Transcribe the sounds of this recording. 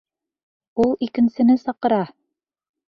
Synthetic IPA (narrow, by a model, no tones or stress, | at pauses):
ulˠikɘ̆nsɘ̆nɘsɑqɤ̆ɾɑ